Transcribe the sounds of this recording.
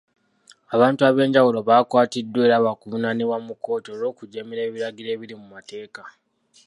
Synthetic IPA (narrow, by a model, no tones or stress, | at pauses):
aβaːntuaβe̞ːɲɟawulo̞βaːkwaːtidːwe̞ːɾaβakuβunaniβwamuko̞ːtoɾo̞ːkuɟemiɾe̞ːβiɾaɡiɾe̞ːβiɾimumate̞ːka